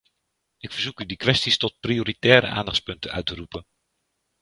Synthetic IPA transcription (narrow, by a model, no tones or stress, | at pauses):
ʔɪkfəɹzukydikʋɛstistɔt̚prioːɾitɛːɾə̰ʔa̰ːndɑχtspɵntənœ̰ɥtərupən